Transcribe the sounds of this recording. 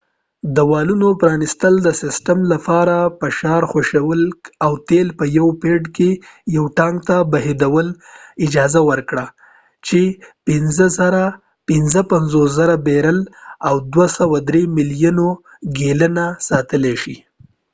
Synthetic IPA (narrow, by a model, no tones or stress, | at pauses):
d̪əwɑlunopɾɑnɪst̪əld̪əsɪsʈəmlapɑɾapəʃɑɾxaʃawəlawt̪elpəjawpeɖkejawʈɑŋɡt̪abaɦed̪awəlɪd͡ʒɑzawəɾkɽa | t͡ʃepɪnzəzaɾa | pɪnzəpanzoszaɾabeɾəlawd̪wasawad̪ɾemɪljuno | ɡelənasɑt̪əleʃḭ